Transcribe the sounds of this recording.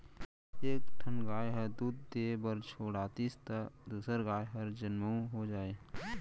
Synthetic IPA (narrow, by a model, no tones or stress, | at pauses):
eːkʈʰənɡaːjɦəɾd̪uːd̪ːeːbəɾt͡ʃʰoːɽaːt̪ist̪əd̪uːsəɾɡaːjɦəɾd͡ʒənməũɦod͡ʒaːe